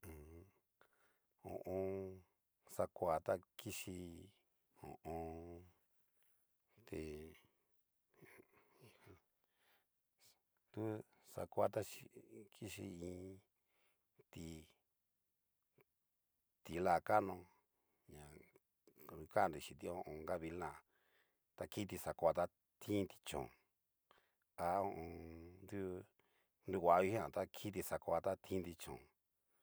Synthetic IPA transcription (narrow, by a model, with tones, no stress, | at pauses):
õ̰˨ʔõ˧ | sa˧kʷa˨t̪a˦ki˦ʃi˧ | õ̰˨ʔõ˧ | t̪e˨˧ | t̪u˦sa̰˧kʷa˧t̪a˦ʃi˧kʰi˦ʃḭ˧ĩː˧˦ | t̪i˧ | t̪i˨lã˧˨ka˦nõ˧ | ɲã˨ | u˧ka˦˨nɾi˨ʃĩ˨t̪i˧õ˧ʔõ˧ŋɡa˦βi˧lã˦˨ | t̪a˧ki˦t̪̬i˧sa˨kʷa˧t̪a˦ | t̪ʰĩ˦nt̪i̥˧t͡ʃõ̰˨ | a˧õ˧ʔõ˧nd̪u˦ | ndu˧kʷa˨ʔi˧hi˦ã˨t̪a˦kʰi˦t̪̬i˧sa˨kʷa˧t̪a˦t̪ʰĩ˦nt̪i˧t͡ʃõ̰˨